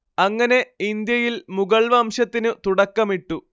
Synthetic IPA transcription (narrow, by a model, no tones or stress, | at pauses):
ɐŋːɐne̞ind̪jɐjilmuɡɐɭʋaːmɕɐt̪ːinɨt̪uɽɐkːɐmiʈːu